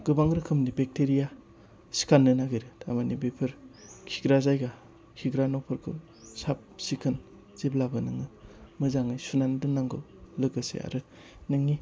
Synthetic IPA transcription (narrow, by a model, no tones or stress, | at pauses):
ɡɯbaŋɾɯkʰɯmnibek̚teɾija | si̥kʰanːɯnaɡɯjɾɯtʰamanibepʰɯɾkʰiɡɾazajɡa | kʰiɡɾanɔpʰɯɾkʰɯ̰ | sap̚sikʰɯn | z̥iblabɯnɯŋɯmɯzaŋɯjsunandɯnaŋɡɯ | lɯɡɯsḛa̰ɾɯ | nɯŋi